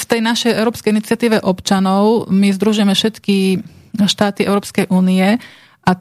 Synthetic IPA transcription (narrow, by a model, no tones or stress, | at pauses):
ft̪ɛjnaʃɛjʔɛʊɾɔːpskɛjinit͡sɪat̪iːʋɛʔɔpt͡ʃanɔʊmizd̪ɾuʒʊjɛmɛfʃɛt̪kiʃt̪aːt̪iɛʊɾɔːpskɛjʔuːniɛ | ʔa